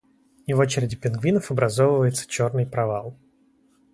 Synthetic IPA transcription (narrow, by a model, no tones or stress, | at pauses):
ɪvo̞t͡ɕɪɾʲɪdʲɪpʲɪnɡvʲinəfɐbɾʔɐzovəvəjɪt̪sə̥t͡ɕo̞rnɨjpɾɐvalˠ